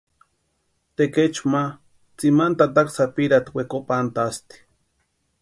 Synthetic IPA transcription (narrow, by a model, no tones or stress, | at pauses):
t̪eket͡ʃma | t͡simant̪at̪̬aksapiɾat̪wekopant̪ast̪i̥